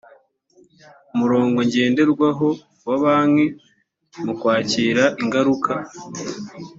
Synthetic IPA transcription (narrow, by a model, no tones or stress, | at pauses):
umuɾo̞ːŋɡo̞ɲɟe̞ːnde̞ɾɡwaɦo̞ | waβaːmŋe̞ | mukwaːciːɾaʔiŋɡaɾukʰa